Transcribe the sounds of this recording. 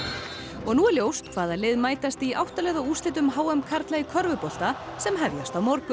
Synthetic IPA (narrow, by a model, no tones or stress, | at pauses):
ɔɣnuɛɾljowst̪kʰvaːðalɪðmaːjt̪ast̪iʔawht̪alɛɣðauːst̪ɪt̪̬ʏmɦaːwɛmkʰaɾt̪laikʰœɾvʏpɔl̥t̪asɛmɦɛvjast̪awmɔɾkʏ